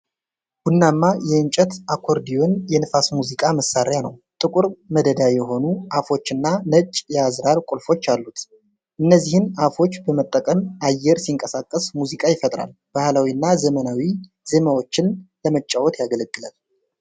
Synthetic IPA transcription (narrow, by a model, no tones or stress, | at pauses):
wunːamːajɛɨnt͡ʃʼət̪akʰo̞ɾd̪ijonjɛnɨfasmuzikʼaməsːaɾjanə̰wt̪ʼɨkʼuɾməd̪əd̪ajɛɦo̞nuʔafo̞t͡ʃːɨnːanət͡ʃʼːjazɾaɾkʷʼulfo̞t͡ʃːalːut̪ | ʔɨnːəzːihɨnafo̞t͡ʃːbəmət̪ʼːəkʼəmajːɛɾsiɨŋkʼəsakʼːəsmuzikʼajɪfət̪ʼɾa̰l | b̥ahlawinːazəmənawi | z̥emawo̞t͡ʃːɪnləmət͡ʃʼːawɔt̪ʰjaɡələɡʼːɨla̰l